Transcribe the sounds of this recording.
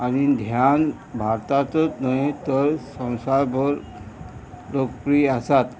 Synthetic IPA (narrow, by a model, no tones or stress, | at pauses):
anid̪ʱjan | bʱaɾt̪at̪ɔt̪nəjt̪əɾsɔ̃w̃sajbɔɾ | ɾokpɾiasat̪